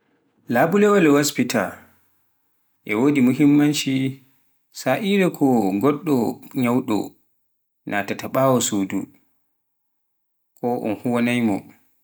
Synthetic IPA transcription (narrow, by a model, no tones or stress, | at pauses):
laːbulɛwɔlɛhospitʰa | ʔɛwoːdimuɦimːanʃi | saʔiɾɛkʰɔɡɔɗːɔɲawɗɔ̰ | nʔatataɓaːwɔsudṵ | kʰɔʔɔ̰nhuwanajmɔ̰